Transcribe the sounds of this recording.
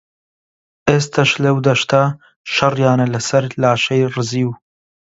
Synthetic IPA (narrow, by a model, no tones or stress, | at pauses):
ʔeːst̪ʰɐʃlɐwd̪ɐʃt̪ʰa | ʃɐrjaːnɐlɐsɐɾlaːʃɐjrɨziːw